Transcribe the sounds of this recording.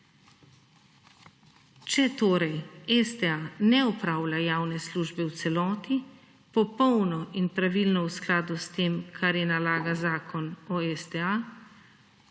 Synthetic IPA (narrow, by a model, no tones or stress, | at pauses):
t͡ʃɛt̪oːɾɛjɛst̪ɛanɛɔpɾaːwlʲajaːwnɛsluːʒbɛwt̪sɛlɔːt̪i | pɔpɔwnɔʔinpɾaʋilnɔwsklaːd̪ust̪eːmkʰaɾjɛnalaːɡazaːkʰɔnɔɛst̪ɛa